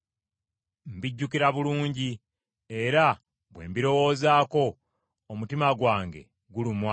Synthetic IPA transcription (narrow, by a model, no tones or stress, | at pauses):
m̩biɟːukiɾaβuluːɲɟi | eɾa | βwe̞̰ːmbiɾo̞wo̞ːzaːko̞ː | mutimaɡwaːŋɡe̞̰ | ɡulimwa